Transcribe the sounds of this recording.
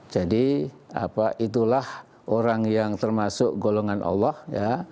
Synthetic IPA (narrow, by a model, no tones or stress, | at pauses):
d͡ʒadi | a̰paʔit̪̬ulah | ʔoɾaŋjaŋt̪ərmasʊk̚ɡoloŋanʔɑ̰lːɔhja